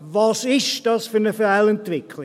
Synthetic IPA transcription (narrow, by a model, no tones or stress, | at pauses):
vɑsɪʃd̥ɑsfyɾnəfəɾalɛntvɪkʰli